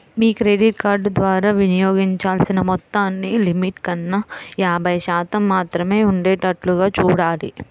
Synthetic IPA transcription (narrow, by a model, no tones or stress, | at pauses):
miːkɾeːɖiʈkaːɾɖd̪ʋaːɾaːʋinijoːɡiɲt͡ʃaːlsinɐmɔt̪ːaːnːilimiʈkɐnːɐjaːbʱɐjʃaːt̪ɐmːaːt̪ɾɐmeːuɳɖeːʈɐʈluɡaːt͡ʃuːɽaːlḭ